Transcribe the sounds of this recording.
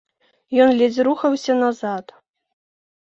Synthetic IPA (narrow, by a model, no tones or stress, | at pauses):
jɔnlʲed͡zʲɾuxɐwsʲɐnazat̪